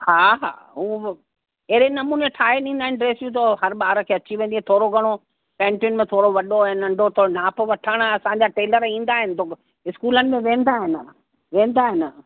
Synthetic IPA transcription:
haːɦa̰ːɦuː | ɐɦenɐmuːneʈʰaːɦenĩːnd̪aːɪnɪɖɾeːsjũt̪ɐɦɐɾɓaːɾkʰeːɐt͡ɕiʋẽːnd̪iɛ̃t̪ʰoːɾoɡʱɐɽ̃o | pɛ̃ːɳʈiʊnmẽt̪ʰoːɾoʋɐɗonnɐ̃ɳɖʱot̪ʰoːnaːpʋɐʈʰəɽ̃ɐsãːɲd͡ʑaʈeːləɾĩːn̆d̪aːɦɪnɪ̆t̪ʰoːk | ɪskuːlənɪ̆mẽʋẽːn̆d̪aːɦɪnɪ̆ | ʋẽːn̆d̪aːɦɪnɪ̆

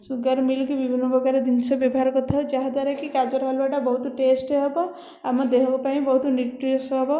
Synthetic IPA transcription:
suɡaɾmilkibibʱinːɔbɔɡaɾed̪int͡ʃʰʌbjɔbɔɦaɾkɔt̪ʰʌd͡ʒaɦad̪waɾakikad͡ʒɔɾɦalbaʈɔbɔɦut̪uʈesʈeɦebɔ | amɔd̪ekɔkɔpaɦĩbɔɦut̪niʈːisɦɔbɔ

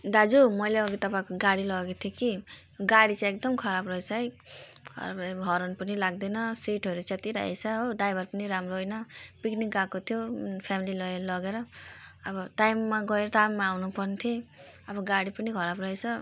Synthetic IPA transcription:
d̪ad͡zumʌjleʌɡit̪ʌpãikoɡaɽilʌɡet̪ʰjoki | ɡaɽit͡sãek̚d̪ʌmkʰʌɾabrʌet͡sʰʌi | kʰʌ̰ɾa̰bʌɡʱʌɾonpʌnilaɡ̚d̪ʌjnʌsiʈʌɾut͡set̪iɾa̰ɦḛt͡sʰʌɦoɖajbʌrpʌniɾamroɦojnʌpiknik̚ɡakot̪ʰjopʰjamililʌelʌɡeɾʌːbʌʈajmːaɡʌeɾʌʈajmːaawnupʌrnit̪ʰiʌbʌɡaɽipʌnikʰʌɾabrʌɦet͡sʰʌ

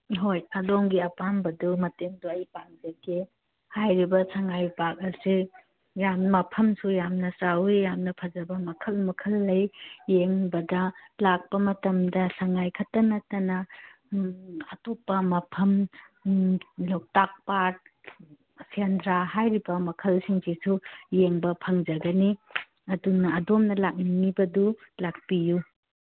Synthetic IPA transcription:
ɦojɐdoŋɡiɐpambɐdumɐteŋduɐjpaŋzeke | hajɾibɐsaŋajpak̚ɐsi | jammɐpʰɐmsujamnɐsawejamnɐpʰɐzɐbɐmɐkʰɐlmɐkʰɐlːɐjːeŋbɐdɐlak̚pɐmɐtɐmdɐsaŋajkʰɐtɐnɐtɐnɐ | ɐtopːɐmɐpʰɐm | law̚tak̚pat̚ | sʰendɾaɦajɾibɐmɐkʰɐlsiŋzisujeŋbɐpʰɐŋd͡ʒɐɡɐni | ɐdunɐːdomnɐlak̚niŋibɐdulak̚piju

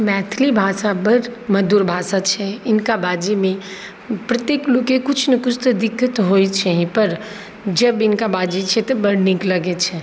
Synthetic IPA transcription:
mɛt̪ʰlibʱaːsabəɾməd̪uːɾbʱaːsat͡ʃʰɛɪnkabaːd͡ʒimẽ | pɾət̪jeːklokekʊt͡ʃʰnɐkʊt͡ʃʰt̪əd̪ɪkːət̪ɦojt͡ʃʰɛɦĩpəɾ | d͡ʒəbɪnkabaːd͡ʒit͡ʃʰɛt̪ɔbəɾnikləɡet͡ʃʰɛ

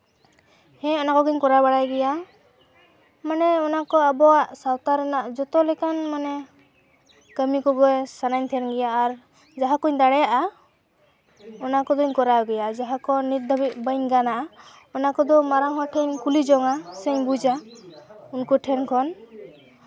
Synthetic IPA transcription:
hɛ̃ɔnakɔɡiɲkɔɾabaɽajɡɛja | manɛɔnakɔabɔaʔsawt̪aɾɛnaʔd͡ʒɔt̪ɔlɛkanmanɛ | kəmikɔɡɔjsanaɲt̪ʰɛnɡɛjaːɾ | d͡ʒaɦakɔɲd̪aɽɛjaʔa | ɔnakɔd̪ɔɲkɔɾaɡɛjad͡ʒaɦakɔnit̪̚d̪ʱɔbit̪̚bəɲɡanaʔa | ɔnakɔd̪ɔmaɾaŋɦɔʈʰɛɲkulid͡ʒɔŋasɛɲbud͡ʒa | unkɔʈʰɛnkʰɔn

